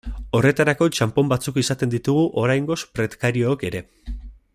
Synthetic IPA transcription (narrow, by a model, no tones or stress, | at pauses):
o̞re̞t̪aɾako̞t͡ʃampo̞mbat͡sukisat̪e̞nd̪it̪uɣ̞uʔo̞ɾajŋɡo̞spɾe̞t̪kaɾiooke̞ɾe̞